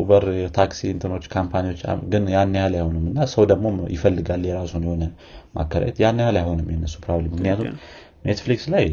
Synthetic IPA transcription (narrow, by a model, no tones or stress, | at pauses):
ubəɾt̪ʰaksiɨnt̪ʰɨno̞t͡ʃːkʰampʰaniwo̞t͡ʃːa̰ɡɨnjanːahalajho̞nɨmːɨnːasəwd̪əɡmo̞jɪfəlːɨɡaljɛɾasunjɛho̞nə | mʔa̰kʰːəɾa̰ɛt̪janːəhalajho̞nɨmjɛnːəsːu̥pʰɾoβlemːɨknijat̪ʰum | net̪flikslaj